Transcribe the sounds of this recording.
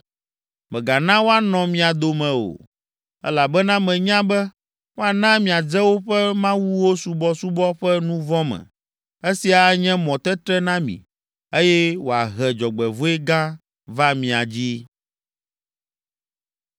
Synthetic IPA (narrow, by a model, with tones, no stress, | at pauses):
mɛ̃˨ɡa˨nã˦wo˦a˨nɔ̃˨mĩ˨a˨d̪o˦mɛ̃˨o̰˨ | ɛ̰˦la˨bɛ˦nã˦mɛ̃˨ɲã˦bɛ˦ | wo˦a˨nã˦mĩ˨a˨d͡zɛ˦wo˦ɸɛ˦mã˦wu˦wo˦su˨bɔ˦su˦bɔ˦ɸɛ˦nũ˦vɔ˦mɛ̰̃˨ | e˦si˨a˨ɲɛ̃˦mɔ̃˨t̪ɛ˦t̪ɾɛ˦nã˦mḭ̃˨ | e˦jɛ˦wo˨a̰˨ɦɛ˨d͡ʒɔ˨ɡ͡bɛ˨vo˦ɛ˦ɡã˦ | va˦mĩ˨a˨d͡ʑi˦